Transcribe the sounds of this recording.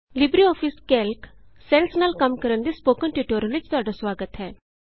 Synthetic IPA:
lɪbɾiɔːpʰiskɛːlksɛlsnaːlkɐmkəɾəɳd̪iːspoːkəɳʈiʈoːɾəlut͡ʃt̪ʊɦaːɖasʋaːɡət̪ɦɛː

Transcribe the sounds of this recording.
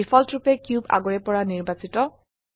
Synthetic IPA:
ifʰɔltɹupɛkjuba̰ɡɔɹɛpɔɹaniɹbasitɔ

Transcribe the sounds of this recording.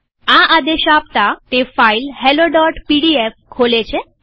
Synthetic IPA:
ãʔad̪eɕapt̪at̪efailhɛloɖɔʈpiɽiefkʰolet͡ɕe

